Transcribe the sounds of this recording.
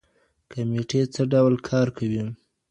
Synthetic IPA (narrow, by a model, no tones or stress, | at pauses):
kameʈet͡səɖawlkʰɑɾkʰawi